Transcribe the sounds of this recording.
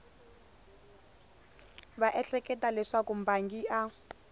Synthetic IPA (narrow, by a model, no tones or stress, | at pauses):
βaʔɛɬɛkɛtalɛʂakum̩baŋɡiʔa